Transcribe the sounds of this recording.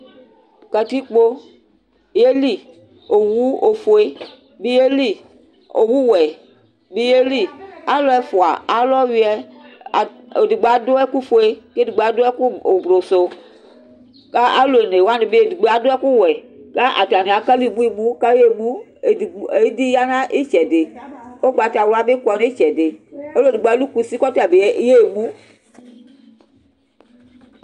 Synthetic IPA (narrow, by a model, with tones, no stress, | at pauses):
kɛ˨t̪i˦k͡po˦ | je˦li˦ | o˨wu˦o˨fo˨e˦ | bi˦je˦li˦ | o˨wu˦wɛ˨ | bi˦je˦li˦a˦lɔ˦ɛ˦fo˨a̰˨a˨lɔ˦wi˦ɛ˦˨ | di˨ɡ͡be˨a˨do˦ɛ˦ku˦fo˨e˦ke˦di˨ɡ͡ba˨do˦ɛ˦ku˦o˨bɾo˨so˨ | ka˦a˦lo˨e˨ne˨wa˦ne˨be˦e˨di˨ɡ͡be˨a˨do˦ɛ˦ku˦wɛ˨ka˦ʔa̰˨ta˨ne˨a˨ka˦li˦˨mũ˦i˦˨mũ˦ka˦e˦mũ˦˨ | e˨˦di˦ja˦nã˦ʔe˦t͡ʃɛ˨de˨o˦ɡ͡ba˨ta˨wla˦be˦kɔ˨ne˦i˦t͡ʃɛ˨de˨o˦lo˦˨di˨ɡ͡ba˨˦lu˦ku˨si˦kɔ˦ta˨be˨e˨˦˨je˦˨mũ˦